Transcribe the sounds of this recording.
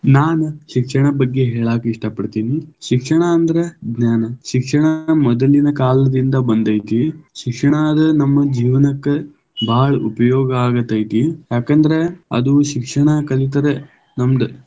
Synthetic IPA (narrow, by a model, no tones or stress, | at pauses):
naːnuʃikʂɐɳɐbɐɡːeɦeːɭaːkiiʂʈɐpɐɽt̪iːniʃikʂɐɳɐːnd̪ɐɾeɡnaːnɐʃikʂɐɳɐmɔd̪ɐlinɐkaːlɐd̪ind̪ɐbɐnd̪ɐjt̪iʃikʂɐɳaːd̪ɐnɐmːɐd͡ʒiːʋɐnɐkːe | bʱaːɭɐʔupɐjɔːɡɐaːɡɐt̪ːɐjt̪ijaːkɐnd̪ɐɾe̞ɐ̰d̪uʃikʂɐɳɐkɐlit̪̬ɐɾe | nɐmd̪ɐ